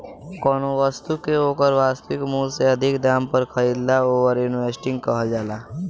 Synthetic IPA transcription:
kɔːnoʋəst̪ukeoːkəɾʋaːst̪ikmũseəd̪ʱɪkd̪aːmpəɾkʰəɾid̪laoːʋəɾjuniʋesʈɪ̃ŋɡ̚kəɦəld͡ʒaːla

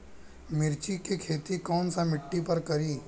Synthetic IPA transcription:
mɪɾt͡ʃikekʰeːt̪ikɔːnsamɪʈːipɐɾkɐɾiː

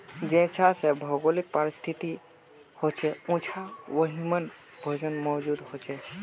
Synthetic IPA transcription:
d͡ʒẽt͡ʃʰasebʱɔɡolik̚paɾɪst̪ʰit̪i | hot͡ʃʰɛũt͡ʃʰaʋəɦimən | bʱəd͡ʒənmɔːd͡ʒud̪ɦot͡ʃʰɛ

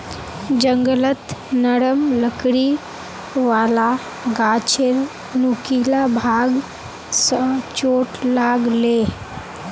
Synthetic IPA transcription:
d͡ʒəŋɡələt̪nəɽəmləkɽi | ʋaːla | ɡat͡ʃʰeɾ | nukilabʱaɡ | sət͡ʃoːʈlaːɡle

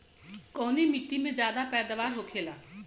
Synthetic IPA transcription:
kɔːneːmɪʈːimẽd͡ʒjaːd̪aːpɛːd̪aʋaːɾɦoːkʰeːlaː

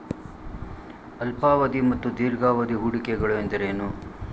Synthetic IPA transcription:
ɐlpaːʋɐd̪imɐt̪ːud̪iːɾɡaːʋɐd̪iɦuɽikɛɡɐɭue̞nd̪ɐɾeːnu

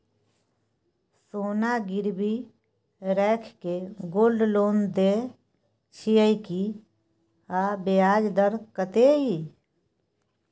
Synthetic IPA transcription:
soːnaɡɪɾbi | ɾɛːkʰkeɡoːlɖloːnd̪e | t͡ʃʰijəjki | abeaːd͡ʒd̪əɾkət̪ei

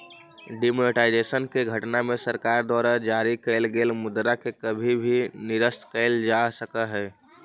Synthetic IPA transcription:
ɖimoneʈaːɪd͡ʒeːsənkeɡʱəʈnamẽsəɾkaːɾd̪wɔːɾad͡ʒaːɾikɛlɡeːlmʊd̪ɾakekəbʱibʱinɪɾəst̪kɛɪld͡ʒaːsəkaɦɛː

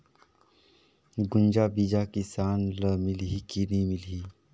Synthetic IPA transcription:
ɡʊ̃nd͡ʒabid͡ʒakisaːnləmɪlɦikinimɪli

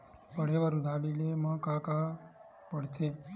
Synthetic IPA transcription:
pəɽ̤eʋəɾud̪ʱalilemãkaka | pəɽt̪ʰe

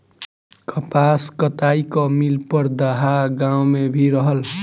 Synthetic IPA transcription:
kʰʌpaskʌt̪ajkʌmilpʌɾd̪ʌɦaɡaw̃mebʱiɾʌɦʌl

